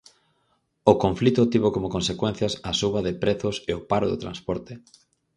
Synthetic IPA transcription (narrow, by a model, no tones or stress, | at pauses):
okõɱflit̪ʊt̪iβokomokõnsekwen̟θjɐsɐsuβɐðɪpɾeθʊseopaɾoðo̰t̪ɾa̰nspɔɾt̪e